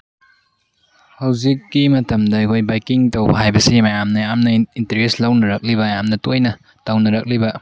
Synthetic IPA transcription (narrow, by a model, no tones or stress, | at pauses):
hawzikːimɐtɐmdɐjkʰojbajkiŋtowbɐɦajbɐsimajamnɐjamnɐintɐɾeslɐwnɐɾɐk̚libɐjamnɐtojnɐ | tawnɐɾɐk̚libɐ